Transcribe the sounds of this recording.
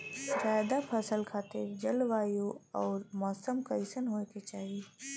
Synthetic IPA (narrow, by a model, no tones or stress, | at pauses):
zaːd̪apʰəsəlkʰaːt̪ɪɾd͡ʒɐlʋaːjoɔːɾmɔːsəmkɐɪsənɦoːket͡ʃaːɦi